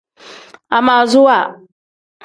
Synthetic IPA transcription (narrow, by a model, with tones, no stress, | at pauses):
a˨ma˨zʊ˦wa˨